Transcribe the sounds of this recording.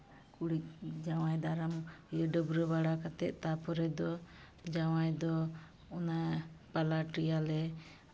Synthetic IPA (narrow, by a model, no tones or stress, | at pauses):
kuɽic̚d͡ʒawajd̪aɾamjɔɖəbɾəbaɽakat̪ɛʔ̪̚t̪apʰɔɾɛd̪ɔ | d͡ʒawajd̪ɔ | ɔnapalaʈijalɛ